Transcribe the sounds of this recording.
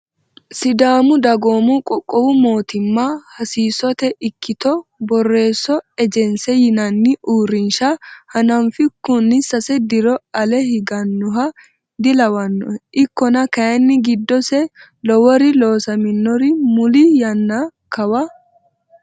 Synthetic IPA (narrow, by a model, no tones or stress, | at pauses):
sɪd̪aːmʊd̪ɐɡoːmukʼɔkʼːɔwʊmo̞ːt̪ɪmːaːhɐsiːsɔt̪ɛʔɪkːɪt̪ɔbɔrːe̞ːsːɔɛd͡ʒɛnsɛjɪnɐnːɪʔuːɾɪnʃahɐnɐmfɪkːʊnːɪsːɐsɛd̪ɪɾɔɐlɛhɪɡɐnːʊɦɐ | d̪ɪlɐwɐnːɔʔɪkːɔnɐkɐjɐnːɪɡɪd̪ːɔsɛ | lɔwɔɾɪlo̞ːsɐmɪnːɔɾɪmʊlijɐnːakɐwɐ